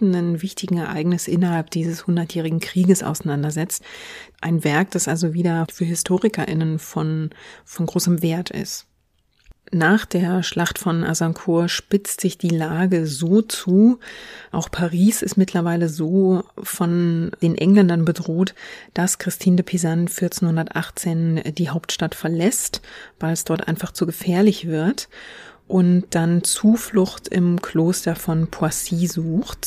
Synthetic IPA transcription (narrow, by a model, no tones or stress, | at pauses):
n̩ənvɪçtɪɡŋ̩ɛɐʔa̰ɪɡnɪsʔɪnɐhalp̚d̥iːzəshʊndɐtjɛːʁ̞ɪɡŋ̩kʁ̥iːɡəsʔa̰ʊsaɪnandɐzɛt͡stʔa̰ɪnvɛɐk̚d̥asʔalzoviːdɐfyːɐhɪstʰoːʁɪkɐʔɪ̰nənfɔnfɔnɡʁoːsəmveːɐtʰɪ̰st | naːχd̥eːɐʃlaχtfɔnʔa̰zaŋkʰuːɐʃpɪt͡stz̥ɪçd̥iːlaːɡəzoːt͡suːʔa̰ʊxpʰaʁiːsɪstmɪtlɐvaɪləzoːfɔnd̥eːnʔɛ̰ŋlɛndɐnbədʁoːtd̥askʁ̥ɪstʰiːndəpʰizanfɪɐt͡senhʊndɐtʔaχt͡seːndiːɦaʊp̚tʃtatfɛɐlɛstb̥aɪlɛsd̥ɔɐtʔa̰ɪnfaχt͡suɡəfɛːɐlɪçv̥ɪɐtʔʊntd̥ant͡suːflʊxtɪ̰mkʰl̥oːstɐfɔnpʰuasiːzuːxt